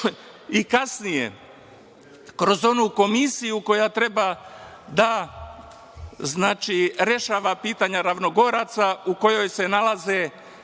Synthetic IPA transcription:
ikasnijḛ | kɾo̞zo̞nuko̞misijuko̞jat̪ɾe̞ba | d̪a | znaːt͡ʃiɾe̞ʃaːʋapiːt̪aɲaɾaʋno̞ɡo̞ɾat̪sauko̞jo̞jse̞nalaze

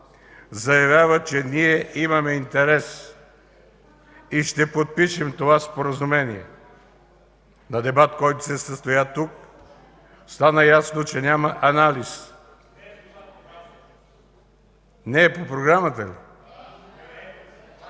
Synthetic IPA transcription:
zɐjɐvʲjavət͡ʃɛniɛʔimɐmɛint̪ɛɾɛs | iʃt̪ɛpot̪̚piʃɛmt̪ovaspoɾɐzumɛniɛ̰ | nɐd̪ɛbat̪kɔjt̪o̥sɛsəst̪ojat̪uk̚ | st̪anəjasnot͡ʃɛnʲamɐʔɐnalis | nɛːpopɾoɡɾamət̪əlḭ

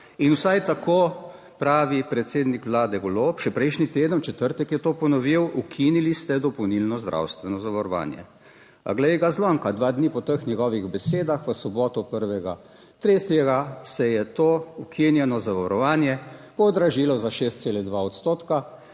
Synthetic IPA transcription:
inwsajt̪akʰoː | pɾaːʋipɾɛt̪seːd̪nikʋlaːd̪ɛɡɔloːpʃɛpɾɛjʃnit̪eːd̪ənt͡ʃɛt̪əɾt̪əkjɛt̪oːpɔnɔʋiwukʰinilist̪ɛd̪ɔpɔwnilnɔzd̪ɾʔa̰wst̪ʋɛnɔzaʋɔɾɔʋa̰ːnjɛ̰ | ɡlɛɡazlɔːŋkad̪ʋaːd̪nipɔt̪əxnʲjɛɡɔːʋiɣbɛseːd̪axʋəsɔbɔːt̪ɔpəɾʋɛɡa̰ | t̪ɾeːt̪jɛɡasɛjɛt̪oːukʰinjɛnɔzaʋɔɾɔʋaːnjɛpɔd̪ɾaʒiːlɔzaʃeːst̪selɛd̪ʋaɔt̪st̪oːt̪ka

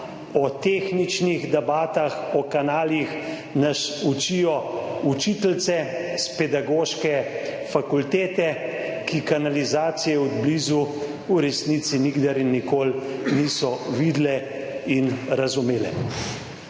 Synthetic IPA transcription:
ɔt̪exnit͡ʃniɣd̪ɛbaːt̪axɔkanaːlix | nasut͡ʃijɔut͡ʃit̪lt̪sɛspɛd̪aɡoːʃkɛ | fakult̪eːt̪ɛ | kikanalizaːt̪sijɛɔd̪blizu | uɾɛsnit̪siniɡd̪aɾinːikoːlnisɔʋid̪lɛ | inɾazumeːlɛ̰

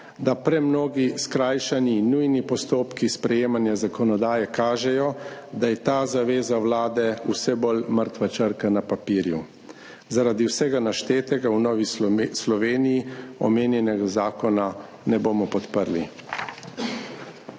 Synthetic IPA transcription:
d̪apɾɛmnoːɡiskɾaːjʃaninːujnipɔst̪oːpkispɾɛjeːmanjazakɔnɔd̪aːjɛkaːʒɛjɔd̪ajɛt̪aːzaʋeːzawlaːd̪ɛusɛbolməɾt̪ʋat͡ʃəɾkanapapiːɾjṵ | zaɾad̪iwsɛɡanaʃt̪eːt̪ɛɡawnɔːʋislɔʋeːnijiɔmeːnjɛnɛɡazaːkɔna | nɛboːmɔpɔt̪pəɾli

